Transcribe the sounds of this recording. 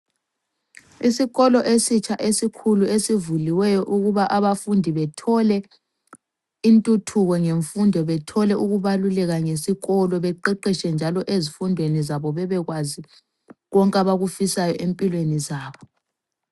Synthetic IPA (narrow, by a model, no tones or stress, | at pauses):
isiɣɔlɔʔesit͡ʃʰʼaʔesikʰuluesivuliwɛjɔʔuɣuβaʔaβafundʱiβɛtʰɔlɛ | intʼutʰuɣɔŋeɱfundʱɔβɛtʰɔlɛʔuɣuβalulɛɣaŋesiɣɔlɔβɛǃɛǃiʃɛnd͡ʒʱalɔʔezifundʱwenizaβɔβɛβɛɣwazi | ɣɔŋkʼaβaɣufisajɔʔempʼilwenizaːβɔ